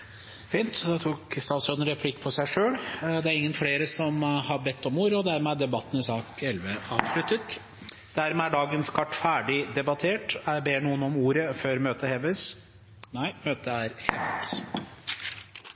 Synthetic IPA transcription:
fiːnt̪d̪ɛt̪ʰuːkst̪ɑːt̪sœːd̪əɾɛpʰlɪkːpʰɔsæɪʂøːld̪ɛæɾɪŋːənfleːɾəsɔmhɑɾbɛt̪ːɔmuːɾəɔd̪æɾmɛæɖ̪ɛbɑt̪ːn̩ɪsɑːkʰɛlʋəɑ̰ːʋʂlʉt̪ːət̪ | d̪̥æɾmɛæɖɑːɡənskʰɑʈːfæːɖɪd̪ɛbɑt̪ʰeːʈæbeːɳuːənɔmuːɾəføːɾmøːt̪əhɛʋəs | næɪmøːt̪əæɾhɛ̰ʋt̪

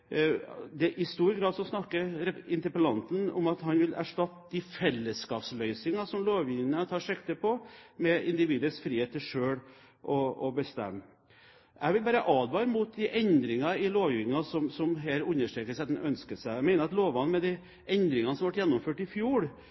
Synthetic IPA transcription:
d̪ɛʔɪst̪uːɾɡɾɑːd̪sɔsnɑkːəɾɾɛɪnt̪əɾpəlɑnt̪n̩ɔ̰mɑt̪hɑnʋɪlæ̰ʂʈɑt̪ːd̪ifɛlːəskɑːpslœʏsɪŋɑsɔmloːʋʋɪːnnət̪ʰɑːʂɛkt̪əpʰɔmɛɪnd̪ɪʋiːd̪əɾsfɾiːheːt̪ʰːɪʂøːɽ | ʔɔɔbəst̪ɛ̰mː | ʔæ̰ʋɪlbɑːɾəʔɑːd̪ʋɑːɾmuːt̪̚d̪ɪʔɛnd̪ɾɪŋɑɪloːʋjɪŋɑsɔmsɔmɦeːɾʉnːəʂʈɾeːkəsæɑt̪ɛnœnskəsæɪæmæɪnəɾɑt̪loːʋɑnmɛd̪ɛ | ʔɛnd̪ɾɪŋɑnəsɔmʋɑʈjɛnːɔmføːʈɪfjuːɽ

